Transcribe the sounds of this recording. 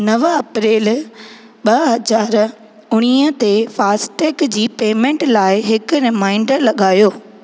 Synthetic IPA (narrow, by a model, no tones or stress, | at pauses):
nɐʋɐpɾeːl | ɓɐɦɐzaːɾ | ʊɽ̃iːət̪efaːsʈeːkd͡ʑiːpeːmẽɳʈlaːɪɦɪkʊɾɪmaːɪ̃ɳɖɾəlɐɠaːjoː